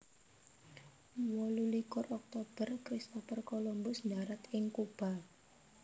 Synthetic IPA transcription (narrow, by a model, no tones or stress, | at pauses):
wɔlulikʊrʔɔk̚t̪ob̥ərkɾist̪ɔfərkolɔmbʊsndaɾat̪ʔɪŋkub̥al